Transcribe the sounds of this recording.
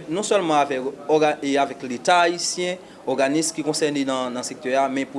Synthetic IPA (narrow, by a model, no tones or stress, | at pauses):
nɔ̃sœlmɑ̃avɛkɔɡaeavɛklet̪aːisjɛ̃ | ɔʁɡanismkikɔ̃sɛʁnenãnɐ̃sɛk̚t̪œjamɛ̃pu